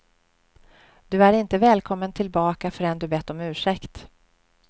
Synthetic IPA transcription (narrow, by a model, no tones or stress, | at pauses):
d̪̥ɵæɾɪnt̪əvɛːlkʰɔmːənt̪ʰɪlbɑːkafœɾɛnd̪ɵbɛt̪ːɔmʉ̟ːʂɛkt̪